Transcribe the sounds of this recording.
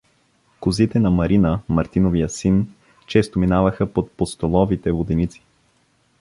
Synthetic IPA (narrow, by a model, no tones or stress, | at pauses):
kʊzit̪ɛnɐmɐɾinəmɐɾt̪inovijəsin | t͡ʃɛst̪ominavəxəpot̪̚post̪olˠɔvit̪ɛvod̪ɛnit̪si̥